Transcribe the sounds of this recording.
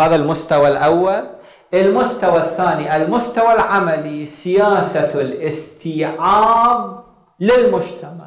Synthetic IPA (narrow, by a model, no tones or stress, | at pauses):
aːðalmʊst̪awalʔawːal | ʔɪlmʊst̪awaθːaːniʔalmʊst̪awalʕamalisɪjaːsalʔɪst̪iːʕaːb̚ | lɪlmʊd͡ʒt̪amaʕ